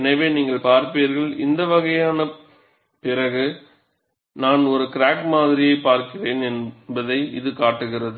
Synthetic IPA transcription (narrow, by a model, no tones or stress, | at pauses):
nɐʋeːniːŋɡɐɭpaːɾpeːɾɣɐɭɪ̰nd̪ɐʋɐɣɐjaːnɐ | pɪɾɐɣɯ | naːnɔɾɯkɪɾaːkmaːðɪɾɪjɐɪpːaːɾkɪreːnɛnbɐðɐɪɪ̰ðɯkaːʈːɯɣɪrɐðɯ